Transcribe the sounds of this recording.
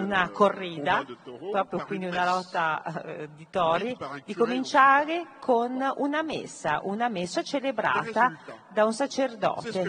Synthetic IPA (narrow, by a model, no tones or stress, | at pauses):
unakorːiːd̪apɾɔːpɾjokwind̪iunalɔt̪ːad̪it̪ɔːɾid̪ikomint͡ʃaːɾekʰonunamḛsːa̰ʔunamesːat͡ʃelebɾa̰ːt̪ad̪aunsat͡ʃerd̪ɔ̰ːt̪e